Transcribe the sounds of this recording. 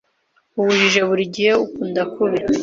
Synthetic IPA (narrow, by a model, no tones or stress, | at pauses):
uβuʒiʒeβuɾiɟihe̞ukuːndakuβe